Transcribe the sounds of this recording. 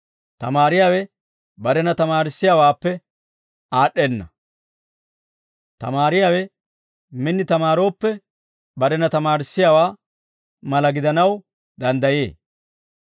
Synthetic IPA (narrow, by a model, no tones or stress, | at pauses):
t̪ɐmaːɾɪjaːwɛ | bɐɾɛnɐt̪ɐmaːɾɪsːɪjaːwaːpːɛ | aːɗːɛnːɐ | t̪ɐ̰maːɾɪjaːwɛ | mɪnːɪt̪ɐmaːɾo̞ːpːɛ | bɐɾɛnɐt̪ɐmaːɾɪsːɪjaːwaː | mɐlɐɡɪd̪ɐnɐw | d̪ɐnd̪ɐjḛː